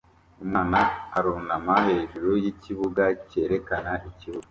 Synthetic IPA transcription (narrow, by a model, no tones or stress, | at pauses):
umŋaːnaːɾuːnamaɦe̞ʒuɾojiciβuɡace̞ːɾe̞kanaʔiciβuɡa